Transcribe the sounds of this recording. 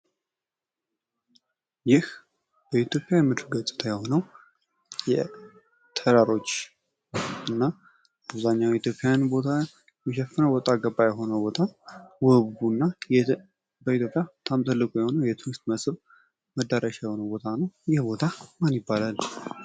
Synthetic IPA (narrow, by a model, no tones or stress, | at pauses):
jɪh | b̥əit̪ʰjo̞pʼjajɛmːɨd̪ɨlɡət̪ʼːɨ̥t̪ʰəjɛho̞nəw | jɛ | t̪ʰəɾaɾo̞t͡ʃː | ʔɨnːa | aβzaɲːawjit̪ʰjopʼːjjanbo̞t̪ʰa | jɛʃɛfːɨnəwbɔt̪ʼaɡəbːajɛɦo̞nəwbo̞t̪ʰawɔbbunːaj | bəit̪ʰjopʼjat̪ʰamt̪ʰʼɨlːɨkʼujɛho̞nəwjɛt̪ʰɨɡɨst̪məsʼɨβ | məd̪ːaɾaʃajɛho̞nəwbot̪ʰanəwjɪhbo̞t̪ʰamanjɪbːalal